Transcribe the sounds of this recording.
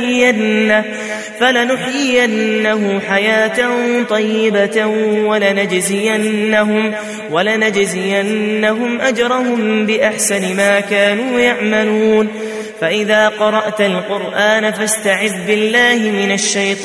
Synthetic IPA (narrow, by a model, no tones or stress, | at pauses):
ɪjanːa | falanʊħjɪjanːaɦʊħajaːt̪ant̪ˤɑjːɪbawalanad͡ʒzɪjanːaɦʊm | walanad͡ʒzɪjanːaɦʊmʔad͡ʒɾˤɑhʊmbɪʔaħsanɪmaːkaːnuːjaʕmaluːn | faʔɪðaːqɑɾˤɑʔt̪alqʊɾʔaːnafast̪aʕɪb̪bɪlːaːhɪmɪnaʃːajt̪ˤː